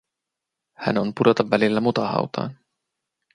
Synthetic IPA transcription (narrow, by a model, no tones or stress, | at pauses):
hæ̰no̞npudo̞t̪ɑʋːælilːæmut̪ɑhɑ̰wt̪ɑ̰ːn